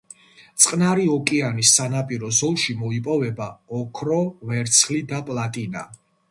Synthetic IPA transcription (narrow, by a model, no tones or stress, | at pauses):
t̪sʼqʼnaɾiɔkʼianisːanapʼiɾɔzɔlˠʃimɔipʼɔvɛbaɔkʰɾɔvɛɾt̪sʰχlid̪apʼlat̪ʼina̰